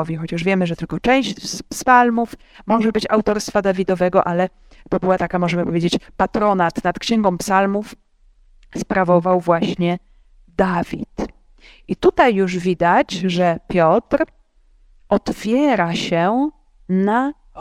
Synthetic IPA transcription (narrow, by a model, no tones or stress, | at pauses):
vʲixɔt͡ɕaʐvʲjɛmɘʐɛt̪ɘlkɔt͡ʂɛ̃w̃ɕd͡ʑpsalmuf | mɔʐɛbɘt͡ɕawt̪ɔɾst̪fad̪avʲid̪ɔvɛɡɔʔalɛ | t̪ɔbɘwat̪akamɔʐɛmɘpɔvjed͡ʑet͡ɕpat̪ɾɔnat̪nat̪kɕɛŋɡɔ̃w̃psalmuf | spɾavɔvawvwaɕɲɛ | d̪avʲit̪ | it̪ut̪ajːuʐvʲid̪ad͡ʑʐɛpʲjɔt̪ɾ | ʔɔt̪fʲjɛɾaɕɛ | na